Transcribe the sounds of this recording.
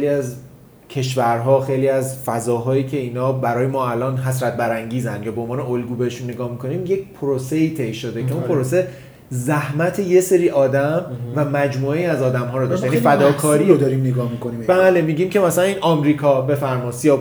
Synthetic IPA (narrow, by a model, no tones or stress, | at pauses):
ejliæz | cʰe̞ʃvæɾɦɒːxejliːæzfæzɒːɦɒːiːcʰe̞iːnɒːbæɾɒːjemɒːælɒːnɦæsɾæt̪̚bæɾæŋɟiːzænd̪jɒːbeonvɒːneolɡuːbeheʃunːeɡɒːhmikʰo̞niːmje̞c̚ʰpʰoɾose̞iːt̪ʰe̞jʃod̪e̞e̞unpʰoɾose̞ | zæhmæt̪ʰe̞je̞seɾiːʔɒːd̪æmvæmæd͡ʒmuːe̞jiæzɒːd̪æmɦɒːɾɔd̪ɒʃjænifæd̪ɒːkʰɒːɾid̪ɒːɾimneɡɒːhmikonimbæːle̞miːɟiːmcʰe̞mæsælæniːnʔɒːmɾiːkʰɒbe̞fæɾmɒːsijɒ